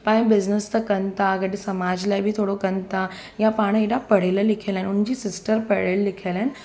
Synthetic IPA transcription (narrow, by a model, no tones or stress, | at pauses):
pãbid͡ʑnəst̪əkənt̪aɡəʈisəmad͡ʑlajbʱiːt̪ʰoɽokənt̪a | japaɽ̃iid̪apəɽ̤eləlikʰelãnund͡ʑiːsisʈəɾpəɽellikʰelãn